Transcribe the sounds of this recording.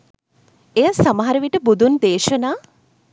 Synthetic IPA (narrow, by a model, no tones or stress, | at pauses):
ejasamɐɦaɾəʋiʈəbud̪ʱund̪eːʃənaː